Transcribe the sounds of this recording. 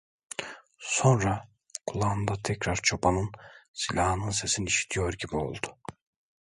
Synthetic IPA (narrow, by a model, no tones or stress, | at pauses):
so̞nɾa | kʰulˠand̪at̪ʰɛcɾaɾt͡ʃʰopʰanɯnsilʲaːhɯnɯnse̞siniʃi̥t̪ʰijo̞ɾɟibio̞̰lˠd̪u̥